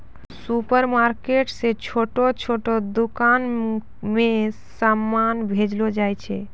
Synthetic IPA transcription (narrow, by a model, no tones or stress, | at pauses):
supəɾmaɾkeʈset͡ʃʰoʈot͡ʃʰoʈod̪ukan | mẽsamːanbʱed͡ʒlod͡ʒajt͡ʃʰɛ